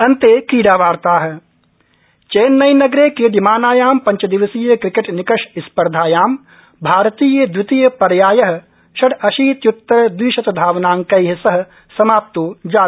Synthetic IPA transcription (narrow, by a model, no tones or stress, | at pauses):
ɐnt̪eːkiːɽaːʋaːɾt̪aːɦ | t͡ʃeːnːɐjnɐɡɾeːked̪imaːnaːjaːmpɐ̃ɲt͡ʃɐd̪ɪʋɐsiːjəkɾɪkeʈnɪkɐʃɪspɐɾd̪ʱaːjaːm | bʱaːɾt̪iːjəd̪wɪt̪ijəpɐɾjaːjɐɦ̆ | ʃɐɽɐʃiːt̪jʊt̪ːɐɾd̪wiːʃɐt̪d̪ʱaːʋnaːŋkɐjɦɐsɐɦ̆ | sɐmaːp̚t̪oːd͡ʒaː